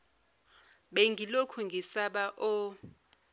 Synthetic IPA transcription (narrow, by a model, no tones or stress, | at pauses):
ɓeŋɡʱilokʰuŋɡʱisaɓaʔɔ